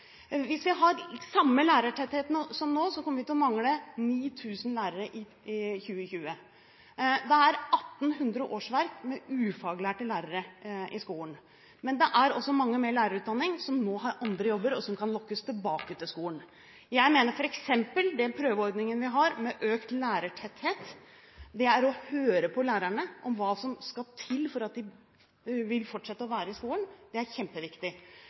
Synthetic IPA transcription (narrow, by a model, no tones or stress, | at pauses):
ʋɪsʋɪɦɑɾsɑmːəlæːɾəʈʰɛt̪heːt̪ənəsɔmnoːsɔkʰɔmːəʋɪt̪ʰɪlɔmɑŋləniːt̪ʰʉːsnlæːɾəɾəʔɪ | çʉːəçʉːə | d̪ɛæɾʔɑt̪ːn̩ɦʉnd̪ɾəʔoːʂʋæɾkmɛʉːfɑːɡlæːʈəlæːɾəɾəʔɪskuːln | mɛnd̪ɛʔæɾɔsːɔmɑŋːəmeːɭæːɾəɾʉːt̪̚d̪ɑnːɪŋsɔmnoːɦɑɾɑnd̪ɾəjɔbːəɾɔsɔmkʰɑnlɔkːəst̪ʰɪlbɑːkət̪ʰɪlskuːən | jæɪmeːnəɾfɔɾɛksɛmpəld̪ɛnpʰɾøːʋəɔɾd̪nɪŋənʋɪɦɑɾmɛʔøːkt̪læːɾəʈʰɛt̪heːt̪ | d̪ɛæɾɔhøːɾəpʰɔlæːɾæɳəʔɔmʋɑːsɔmskɑt̪ʰɪlfɔɾɑt̪̚d̪ɪ | ʋɪlfɔʈːʂɛt̪ːəɔʋæːɾəɪskuːlənd̪̥ɛæɾçɛmpəʋɪkt̪ɪ